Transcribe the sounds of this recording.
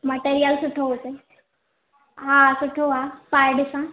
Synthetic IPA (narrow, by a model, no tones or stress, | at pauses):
mɐʈeːɾijəlsʊʈʰoɦʊt̪e | ɦaːsʊʈʰoaːpaːɪɖɪsã